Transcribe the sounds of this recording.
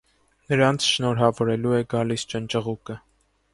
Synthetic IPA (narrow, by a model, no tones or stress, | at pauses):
nəɾɑnt͡sʰʃnɔɾɦɑvɔɾɛluɛɡɑlist͡ʃənt͡ʃəʁukə